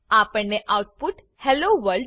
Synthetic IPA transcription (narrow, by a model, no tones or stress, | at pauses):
aːpəɳːeʔawʈ̚pʊʈ | hɛloʋəlɖ